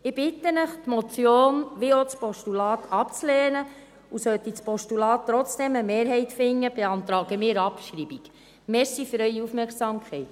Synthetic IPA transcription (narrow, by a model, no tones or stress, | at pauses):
ɪb̥ɪt̪ːənəχt̪mɔt͡sjoːnʋeot͡spɔʃtulɑːt̪ʰɑpt͡sleːnə | usœt̪it͡spɔʃtulɑːttːɾɔt͡sd̥ɛməmeːɾɦɛɪt̪fɪŋːəb̥eɑnt̪ɾɑːɡəmɪːɾɑpʃɾibik | mɛɾsifyɾœʏjiufmɛɾksɑːmkʰχɛɪt̪